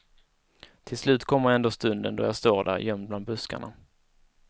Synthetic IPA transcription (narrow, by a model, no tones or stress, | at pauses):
t̪ʰɪlslʉ̟ːt̪kʰɔmːəɾɛnd̪oːst̪ɵnd̪ənd̪ɔ̰jast̪oːɾɖ̪æ̰ɾjœmd̪bland̪bɵska̰ɳa̰